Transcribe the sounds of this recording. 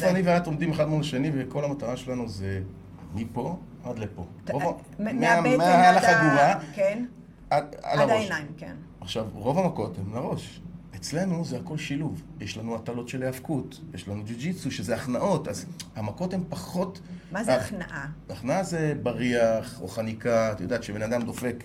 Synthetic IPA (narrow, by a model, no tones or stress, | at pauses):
foaniveato̞md̪imeχadmolaʃeniveko̞lamat̪aʁaʃelanuze | mipo̞ | ad̪lepo̞ | ʁova | meameaalaχadiʁaken | aa̰laʁoʃamken | aχʃavʁo̞vamako̞themlaʁo̞ʃet͡sle̞nuzeako̞lʃiluvjeʃlanuatalo̞tʃeleavkutjeʃlanud͡ʒid͡ʒit͡suʃezeaχnaʔo̞tazhamako̞thempaχo̞tmaanaʔaaχnaaze̞baʁiaχo̰χanikat̪ajod̪at̪ʃebe̞nad̪amd̪o̞fe̞k